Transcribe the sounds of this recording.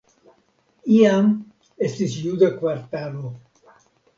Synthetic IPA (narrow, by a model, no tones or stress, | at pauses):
iam | est̪isjud̪akwaɾt̪alo